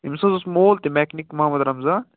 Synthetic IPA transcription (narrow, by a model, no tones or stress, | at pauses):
imsɐ̃zosmoːlt̪emɛːknikmɐɦamɐd̪ɾɐmzaː